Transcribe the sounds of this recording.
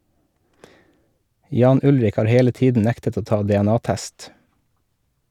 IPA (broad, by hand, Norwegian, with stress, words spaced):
ˈjɑːn ˈʊlɾɪk ˈhɑːɾ ˈheːlə ˈtiːdn̩ ˈnæktət ˈoː ˈtɑː dɛɛˈnɑːˌtæst